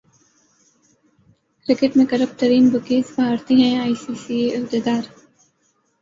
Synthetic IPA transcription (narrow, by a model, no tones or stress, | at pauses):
kɾɪkɪʈmẽkɐɾəp̚t̪əɾiːnbəkeːsbɐaːɾt̪iɦɛ̃aːiːsiːsieɪbd̪ed̪aːɾ